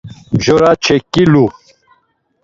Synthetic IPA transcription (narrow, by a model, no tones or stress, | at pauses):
mʑoɾat͡ʃʰekːilu